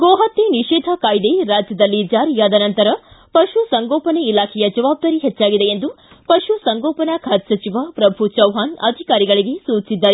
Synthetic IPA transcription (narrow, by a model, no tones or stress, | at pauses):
ɡoːɦat̪ːeniʃɛːd̪ʱɐkaːjd̪eɾaːd͡ʒjɐd̪ɐlːid͡ʒaːɾijaːd̪ɐnɐnt̪ɐɾɐpɐʃusɐŋɡoːpɐneilaːkʰɛjɐd͡ʒɐʋaːb̚d̪ɐːɾiɦɛt͡ʃːaːɡid̪e̞end̪u | pɐʃusɐŋɡɔːpɐnakʰaːt̪sɐt͡ʃiʋapɾɐbʱut͡ʃɐwɦaːnɐd̪ʱikaːɾiɡɐɭiɡe̞suːt͡ʃisid̪ːaːɾe